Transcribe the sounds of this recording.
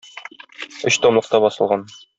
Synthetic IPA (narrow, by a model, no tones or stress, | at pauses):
ɵɕt̪omlˠɤ̆q̚t̪ɑbɒsɤ̆lˠʁɑn